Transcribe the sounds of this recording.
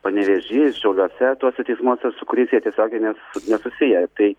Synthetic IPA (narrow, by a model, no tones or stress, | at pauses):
pɐnʲɛʋʲeʒʲiːʃʲɛʊlʲuɔsʲɛt̪uɔsʲɛt̪ʲɛɪsmuɔsʲɛsʊkʊɾʲiːsʲeːjɛt̪ʲiɛsʲoːɡʲɛɪnʲɛsʊnʲɛsʊsʲɪjɛt̪ɐɪ